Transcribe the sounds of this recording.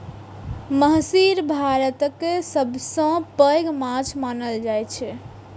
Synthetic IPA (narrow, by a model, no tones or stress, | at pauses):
məɦsiɾbʱaɾət̪əkesəbʱsə̃pəɡmãt͡ʃʰmanəld͡ʒajt͡ʃʰɛ